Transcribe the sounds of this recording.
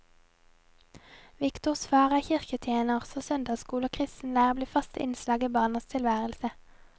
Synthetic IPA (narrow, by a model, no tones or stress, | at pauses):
ʋɪkt̪ʊʁsfɑːʁæːçɪʁkət̪ʰjeːnəʁsɔsœnd̪ɑːskuːloːkʰʁɪst̪n̩læːʁəbliːfɑst̪ɪ̰nslɑːɡiːbɑːnɑst̪ʰɪlʋæːʁəlsə